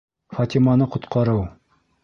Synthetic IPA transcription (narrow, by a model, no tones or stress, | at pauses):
fɐt̪ʲimɑnɤqŏt̪qɑɾɤw